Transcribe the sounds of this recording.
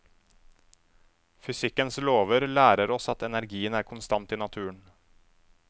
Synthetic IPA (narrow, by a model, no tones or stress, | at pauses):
fʏsɪkənsloːʋəɾlæːɾəɾɔsɑt̪ɛnæɾɡiːənæːɾkʰʊnst̪ɑnt̪iːnɑt̪ʰʉːəɳ